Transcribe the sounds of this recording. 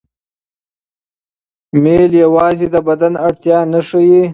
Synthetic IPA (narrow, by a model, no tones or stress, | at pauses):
meːljawɑːzed̪əbad̪anaɽt̪jɑːnəʂəji